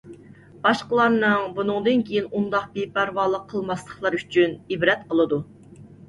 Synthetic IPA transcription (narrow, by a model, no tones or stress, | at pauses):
b̥ɑʃqəlˠɑɾnɨŋbunɨŋd̪ɨnkʲʰejinund̪ɑq̚bepæɾvɑːlˠəqʰːəlˠmɑslˠəχlˠɑɾyt͡ʃʰynibɾɛt̪qʰəlˠɨd̪u